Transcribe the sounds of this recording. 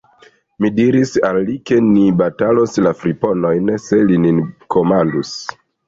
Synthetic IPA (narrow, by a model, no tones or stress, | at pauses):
midiɾisalːike̞nibataloslafɾipo̞no̞jnse̞lininko̞mandus